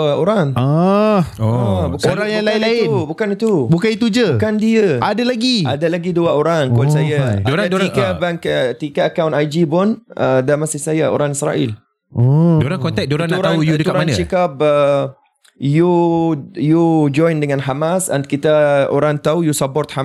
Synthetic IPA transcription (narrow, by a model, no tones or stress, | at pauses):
oɾaŋa | bukoɾaŋjaŋlailaɪnubukanit̪ubukanit̪ud͡ʒəukandiəadalaɡia̰dalaɡiduaoɾaŋkɔlsajaɾaikabaŋkət̪ikaːkawnajd͡ʒipʊnʔədamasisajao̰ɾaŋisɾa̰ʔḭl | doɾaŋkɔnt̪ɛk̚doɾanaɾaujudət̪ɾaant͡ʃikap̚ə | ju | jud͡ʒɔjndəŋãnɦamasa̰nkit̪ao̰ɾaŋt̪aujusapɔrt̪̚ha